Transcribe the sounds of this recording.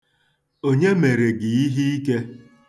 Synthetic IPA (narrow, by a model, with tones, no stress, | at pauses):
o˦ɲe˦me˨ɾe˨ɡɪ˨i˦ɦi˦i˦ke˦